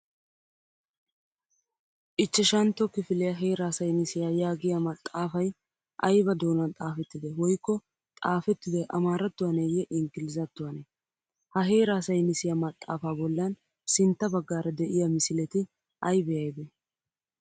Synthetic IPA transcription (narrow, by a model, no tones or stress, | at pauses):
ʔɪt͡ʃːɛʃɐnt̪ːɔkɪfɪlɪjɐɦe̞ːɾaːsɐjnɪsɪjaːjaːɡɪjamɐt̪ʼːaːfɐj | ʔɐjbɐd̪o̞ːnɐnt̪ʼaːfɛt̪ːɪd̪ɛwɔjkːɔ | t̪ʼaːfɛt̪ːɪd̪ɛʔɐmaːɾɐt̪ːʊwɐnejɛʔɪŋɡɪlɪzɐt̪ːʊwɐnɛ | hɐɦeːɾaːsɐjnɪsɪjamɐt̪ʼːa̰ːfaːbɔlːɐn | sɪnt̪ːɐbɐɡːaːɾɐd̪ɛʔɪjɐmɪsɪlɛt̪ɪ | ʔɐjbɛjɐjd̪ɛ